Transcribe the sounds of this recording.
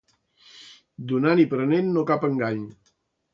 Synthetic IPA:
d̪unanipɾənenːokapəŋɡaɲ

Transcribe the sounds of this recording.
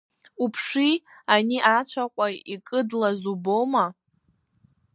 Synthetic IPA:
upʰʂianiʔat͡ɕʷʰaqʷʼaikʼɨdlazubowma

